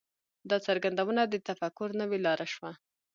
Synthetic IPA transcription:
d̪ɑt͡saɾɡand̪awənad̪ət̪afakʊɾnəwelɑɾʔaʃwa

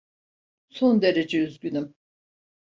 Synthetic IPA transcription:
so̞nd̪e̞ɾe̞d͡ʒeyzɟynym

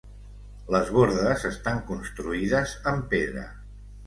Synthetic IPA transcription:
ləzβoɾðəzəst̪aŋkunst̪ɾuiðəzəmpeðɾə̰

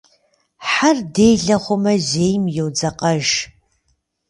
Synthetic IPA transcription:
ħardejɮɐχʷʊmɐzeːjmjowd͡zɐqʼɐʒ

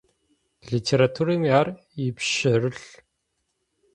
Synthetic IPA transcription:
ɮitʲʰeɾat̪ʰuɾiːmar | ipʃəɾɨɮ

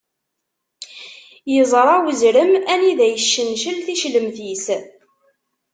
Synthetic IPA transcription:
jəzˤɾˤɑwəzɾəmæniðæjəʃːənʃəlθiʃləmθis

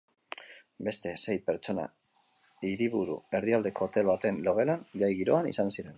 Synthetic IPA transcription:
be̞st̪e̞se̞jpeɾt͡ʃo̞na̰ | iɾiβuɾṵe̞ɾðiald̪e̞ko̞t̪e̞lβat̪e̞nlo̞ɣ̞e̞lanʎajɣiɾo̞anḭsansiɾe̞n

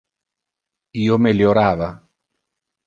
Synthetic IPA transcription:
iːomeljoɾaːva

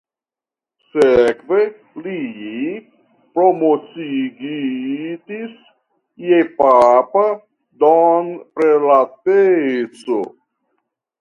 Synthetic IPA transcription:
sekve̞ | li | pɾomot͡siɡidis | jepapa | donpɾelatet͡so

